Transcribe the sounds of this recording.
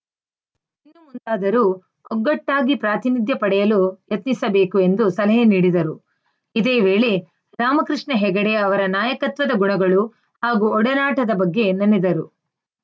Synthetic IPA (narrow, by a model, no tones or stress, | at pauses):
iinːumund̪aːd̪ɐɾu | ɔɡːɐʈːaːɡipɾaːt̪inid̪jɐpɐɽɛjɐlujɐt̪nisɐbe̞ːkue̞nd̪usɐlɐɦeniːɽid̪ɐɾu | id̪e̞ːʋe̞ːɭe | ɾaːmɐkɾɨʂɳɐɦɛɡɐɽejɐɐʋɐɾɐnaːjɐkɐt̪ʋɐd̪ɐɡuɳɐɡɐɭu | haːɡuɔɽɐnaːʈɐd̪ɐbɐɡːe̞nɐnːed̪ɐɾu